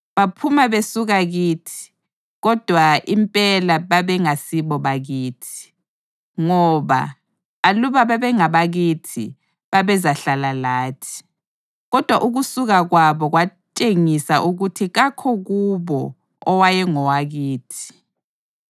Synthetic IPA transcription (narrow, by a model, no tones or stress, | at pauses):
βapʰumaβesuɣaɣiːtʰi̥ | ɣɔd̥ʱwaimpʼɛlaβaβɛŋasiβɔβaɣiːtʰi̥ | ŋɔβa̰ː | luβaβaβɛŋaβaɣitʰḭ | βaβɛzaɬalalaːtʰi̥ | ɣɔd̥ʱwaʔuɣusuɣaɣwaβɔɣwat͡ʃʼeŋisaʔuɣutʰiɣakʰɔɣuβɔ | ɔwajɛŋɔwaɣiːtʰi̥